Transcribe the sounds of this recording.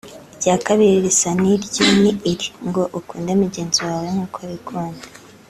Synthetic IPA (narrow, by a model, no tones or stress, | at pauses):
iɟaːkaβiɾiɾisaniɾɟiniːɾiŋɡo̞ʔukuːndemuɟe̞ːnziwaːwemukʰoβikʰuːndḁ